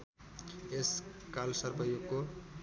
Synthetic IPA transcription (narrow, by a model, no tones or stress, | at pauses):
eskalsʌɾbʌjokːo